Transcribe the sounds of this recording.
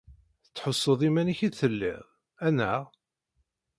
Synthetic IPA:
θət͡sːħosˤːəðˤimæniçiθəlːḭʁ | ænːæ

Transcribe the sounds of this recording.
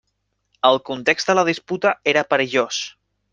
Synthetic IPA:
əlˠkunt̪ekzt̪d̪ələð̞isput̪aeɾapəɾəʒos

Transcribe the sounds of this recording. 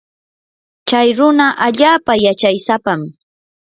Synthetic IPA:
t͡ʃajɾʊnaʔaʎaːpajat͡ʃajsapam

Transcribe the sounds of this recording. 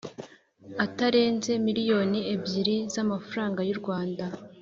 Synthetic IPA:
ataɾe̞ːnze̞miɾijo̞niebɟiɾizamafuɾaːŋɡajuɾɡwaːnda

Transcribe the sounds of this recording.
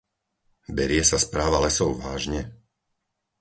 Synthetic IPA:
bɛɾɪɛsaspɾaːʋalɛsɔʊʋaːʒɲɛ

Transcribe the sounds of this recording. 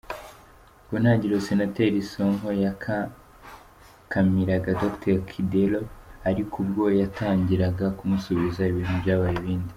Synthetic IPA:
ɡunhaːɲɟiɾosenateɾisoŋɦo̞jaka | kamiɾaɡadokteɾkʰideloaɾikʰubɡo̞jataːɲɟiɾaɡakumusuβizaiβiːn̥hubɟaːβajeβiːndi

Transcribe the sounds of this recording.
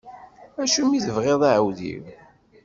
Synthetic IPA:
æʃumiθəvʁeðˤaʕəwðḭw

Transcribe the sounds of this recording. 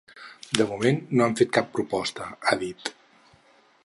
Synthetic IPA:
d̪əmumenːoamfet̪̚kapːɾupɔst̪əaðit̪

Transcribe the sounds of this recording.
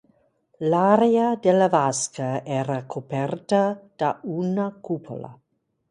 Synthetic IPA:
laɾeadelavaskaɛɾakʰopɛrtad̥aunakʰupʰo̰la̰

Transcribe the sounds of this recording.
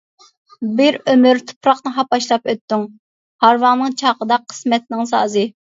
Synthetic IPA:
bɪɾømyɾt̪ʰu̥pɾɑqnɨɦɑp̚ɑʃlˠɑpøt̪ːyŋ | hɑɾwɑŋnɨŋt͡ʃʰɑqəd̪ɑqʰːə̥smɛt̪̚nɪŋsɑ̰ːzɨ

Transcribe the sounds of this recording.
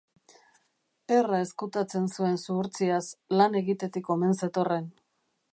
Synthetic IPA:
e̞rae̞skut̪at͡se̞nsue̞nsuɾt͡siaslane̞ɣit̪e̞t̪iko̞me̞nse̞t̪o̞re̞n

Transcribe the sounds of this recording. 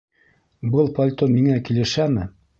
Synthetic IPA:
bɤlˠpɐlʲt̪ommiŋækilɘ̆ʃæmɘ

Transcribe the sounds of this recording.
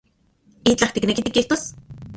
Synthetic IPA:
iːt͡ɬaxt̪iknekit̪ikiht̪os

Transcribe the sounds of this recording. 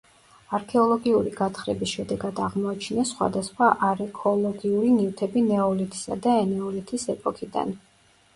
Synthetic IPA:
aɾkʰɛɔlˠɔɡiuɾiɡat̪ʰχɾɛ̰bisʃɛd̪ɛɡad̪aʁmɔat͡ʃʰnasχwa̰d̪asχwaʔaɾɛkʰɔlˠɔɡiuɾinivt̪ʰɛbinɛɔlit̪ʰi̥sa̰d̪aɛnɛɔlit̪ʰisɛpʼɔkʰid̪a̰n

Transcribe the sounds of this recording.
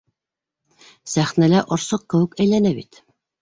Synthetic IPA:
sæχnælæʔŏɾsɤq̚kɘ̆wɘkæjlænæbit̪

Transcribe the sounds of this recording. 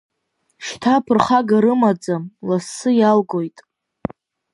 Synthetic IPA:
ʃtʰapʰɨrχaɡaɾɨmad͡zamlasːɨjalɡo̞jtʼ

